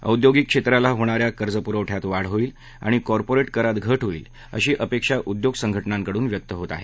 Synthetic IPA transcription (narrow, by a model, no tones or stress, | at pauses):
ə̰wd̪joɡikːʂet̪ɾalaɦoɽ̃aɾjakəɾd͡zəpuɾəwʈʰjat̪ʋaɽ̤ɦoiːl | a̰ɽ̃ikɔɾpoɾeʈkəɾat̪ɡʱəʈʰɦoḭːl | ə̰ɕiːʔəpekʂaʔud̪joɡsəŋɡʱəʈnãŋkəɽuːnʋjək̚t̪əɦot̪a̰ɦe